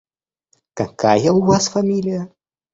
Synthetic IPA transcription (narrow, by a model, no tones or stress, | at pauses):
kɐkajɐwvasfamʲilʲijɐ